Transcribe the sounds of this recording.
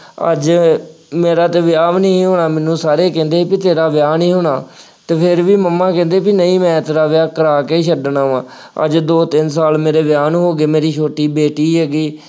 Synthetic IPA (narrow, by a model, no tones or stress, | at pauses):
ə̰d͡ʒ | meːɾaːt̪eːʋɪjaːʋnəĩːɦoːɳaːmɛnːũːsaːɾeːkɛ̃ːnd̪eːpit̪eːɾaːʋɪjaːnĩːɦoːɳaː | t̪eːpʰɪɾʋiːməmːãːkɛ̃ːnd̪eːpinəĩːmɛ̃ːt̪eːɾaːʋjaːkəɾaːkeːʃəɖnaːʋãː | ə̰d͡ʒd̪oːt̪ɪnsaːlmeːɾeːʋɪjaːnːɦoːɡeːmeːɾiːt͡ʃʰoːʈiːbeːʈiːɦɛːɡiː